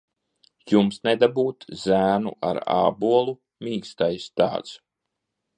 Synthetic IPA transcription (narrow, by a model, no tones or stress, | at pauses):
jumsned̪abuːt̪zæːnṵʔa̰ɾa̰ːbuɔlˠu | mʲiːkst̪ajst̪a̰ːt̪s